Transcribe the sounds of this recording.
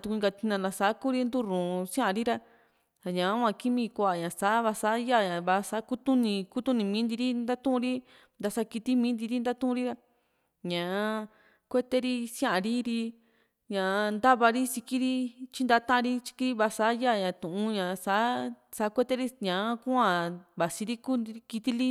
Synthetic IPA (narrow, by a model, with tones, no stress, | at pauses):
t̪ũ˧ɡa˧t̪i˧nã˧˨lã˧sa˨˦ku˦ɾi˦nd̪u˦ɾũː˨˧sj̃ã˦ʔã˧ɾi˦ɾa˧ | a˨ɲã˨˦ã˧ki˦mĩ˧kʷa˧a˨ɲã˨sa˨˦βa˧sa˨˦ja˦˨ɲã˨βa˧sa˧˦ku˦t̪ũ˦nĩ˧ku˦t̪ũ˦˧nĩ˧mĩ˨˦nd̪i˧ɾi˦nd̪a˦t̪ũ˦˧ɾi˦ | nd̪a˧sa˧ki˧t̪i˦mĩː˦nd̪i˧ɾi˦nd̪a˦t̪ũ˦ũ˧ɾi˦ɾa˧ | ɲã˨˧ | kʷe˦t̪e˦ɾi˦sj̃ã˦ʔa˧ɾi˦ɾi˧ | ɲã˨˧nd̪a˦βa˧ɾi˦si˧ki˦ɾi˦t͡ʃi˦nd̪a˧˦t̪ã˦ʔã˧ɾi˦t͡ʃi̥˧ki˧ɾi˦βa˧sa˨˦ja˦˨ɲã˨t̪ũ˨ũ˧˦ɲã˨sa˨˦ | sa˧˦kʷe˦t̪e˦ɾi˦ɲã˨˦kũ˦ã˧βa˨si˧ɾi˦ku˦˧ki˧t̪i˦li˦